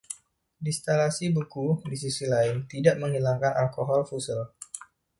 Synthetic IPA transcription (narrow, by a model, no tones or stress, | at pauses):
dist̪alasibukudis̬isilaɪnt̪idaʔməŋhilaŋkanʔalkoɦɔlfusəl